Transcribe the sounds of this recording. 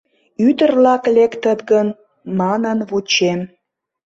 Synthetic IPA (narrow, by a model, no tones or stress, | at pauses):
yt̪ərlɑklekt̪ət̪ɡən | mɑnənβut͡ɕem